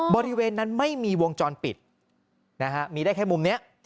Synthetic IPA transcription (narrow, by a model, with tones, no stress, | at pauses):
bɔː˧ɾi˦˥weː˧nːa˦˥nma˥˩jmiː˧wo˧ŋt͡ɕɔː˧npi˨˩t̪̚ | na˦˥kʰa˦˥miː˧daː˥˩jkʰːmu˧mni˦˥ɐʔ